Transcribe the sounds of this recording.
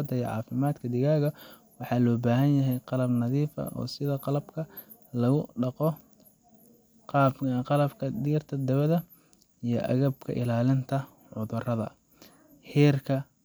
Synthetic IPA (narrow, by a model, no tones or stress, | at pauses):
d̪ɐij̰ʕɑ̰ːfɪmaːd̪kʰɐd̪ɪɣaːɣɐ | wɑħɑːlɔːbaːɦɐnjɐɦɛjqɑlɐbnɐðiːfɐ̰ʔɔ̰ːsɪðɐqɑlɐbkʰɐ | lɐɣʊɖɑqɔ | qɑːbqɑlɐbkʰɐd̪iːrt̪ʰɐd̪ɐβɐðɐ | ijɞʔɐ̰ɣɐbkʰɐ̰ʔɪlaːlɪnt̪ʰɐ | ʕʊðʊrɐðɐ̰ | hɛːrkʰɐ